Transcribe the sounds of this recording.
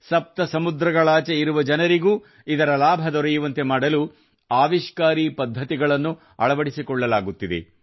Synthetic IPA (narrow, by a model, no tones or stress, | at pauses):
sɐp̚t̪ɐsɐmud̪ɾɐɡɐɭaːt͡ʃeiɾuʋɐd͡ʒɐnɐɾiɡuː | id̪ɐɾɐlaːbʱɐd̪ɔɾɐjuʋɐnt̪e̞maːɽɐlu | aːʋiʃkaːɾiːpɐd̪ʱːɐt̪iɡɐɭɐnːu | ɐ̰ɭɐʋɐɽisikɔɭːɐlaːɡut̪ːid̪e̞̰